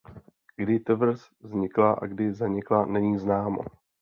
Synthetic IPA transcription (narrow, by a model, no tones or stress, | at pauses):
ɡdɪt̪ɛvr̩s | zɲɪklaʔa̰ɡdɪzaɲɪklanɛɲiːznaːmo̰